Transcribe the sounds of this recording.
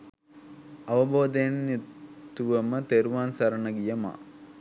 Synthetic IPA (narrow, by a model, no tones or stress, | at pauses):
ɐʋɐboːd̪ɐjnjut̪uʋəmət̪eɾuʋaːnsɐɾɐnəɡijɐma̰ː